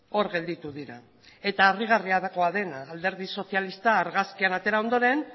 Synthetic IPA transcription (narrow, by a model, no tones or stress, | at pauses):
o̞ɾɣe̞ld̪it̪uðiɾa | e̞t̪aːriɣ̞ariaðako̞aðe̞naːld̪e̞ɾð̞iso̞θialist̪aːɾɣaskianat̪e̞ɾao̞nd̪o̞ɾe̞n